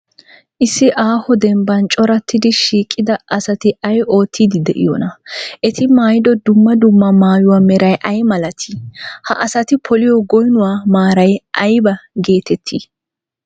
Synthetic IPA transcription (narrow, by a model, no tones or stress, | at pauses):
ʔɪsːɪʔaːhɔd̪ɛmbɐnt͡ʃʼɔɾɐt̪ʰːɪd̪ɪʃiːkʼːɪd̪ɐʔɐsɐt̪ɪʔɐjʔo̞ːt̪ʰːiːd̪ɪd̪ɛ̰ʔɪ̰jɔ̰nɐʔɛt̪ɪmaːjɪd̪ɔd̪ʊmːɐd̪ʊmːɐmaːjʊwaːmɛɾɐjʔɐjmɐlɐt̪ʰihɐ̰ʔɐsɐt̪ɪpʰɔlɪjɔɡɔjnʊwaːmaːɾɐjʔɐjbɐɡe̞ːt̪ɛt̪ʰːḭ